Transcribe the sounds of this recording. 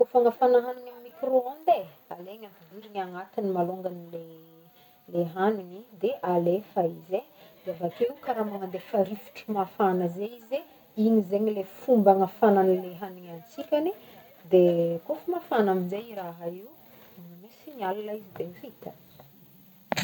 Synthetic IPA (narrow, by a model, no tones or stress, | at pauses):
kofaŋəfanaɦanuɲammikroond̪e | aleŋap̪id̪iɾiŋaŋat̪inimaloŋɡanile | leɦaninid̪eʔalefaized̪̥eavakeiukaɾamaŋand̪efaɾifu̥ʈ͡ʂimafanəzeize | iɲizeɲilefumbaŋafananileɦaniɲanit͡sikʲani | d̪ekofumafanaminzejiɾaɦaiu | misiɲalalaizid̪efit̪ə̥